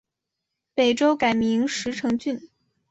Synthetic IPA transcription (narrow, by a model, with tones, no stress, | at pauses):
pe˨˩ɪʈ͡ʂo˥ʊka˨˩ɪmi˧˥ŋʂɻ̩˧˥ʈ͡ʂʰɤ˧˥ŋt͡ɕy˥˩n